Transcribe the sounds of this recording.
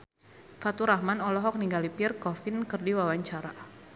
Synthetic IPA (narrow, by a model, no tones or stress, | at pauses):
fat̪uɾahmanɔlɔɦɔk̚niŋɡalipirkɔfɪnkərdiwawaɲt͡ʃaɾa